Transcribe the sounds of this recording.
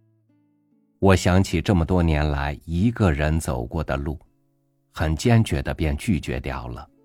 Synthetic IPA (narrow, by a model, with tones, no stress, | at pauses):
wɔ˨˩ɕjɑ˧˥ŋt͡ɕʰi˨˩ʈ͡ʂɤ˥˩mə˩t̪wɔ˥njɛ˧˥nla˧˥ɪi˧˥ɡə˥˧ɻə˧˥nt͡so̰˨˩ʊkwɔ˥˩d̪ə˩lu˥˩ | xə˨˩nt͡ɕjɛ˥nt͡ɕɥɛ˧˥d̪ə˧pjɛ˥˧nt͡ɕy˥˩t͡ɕɥɛ̰˧˥t̪jɑ˥˩ʊlə˩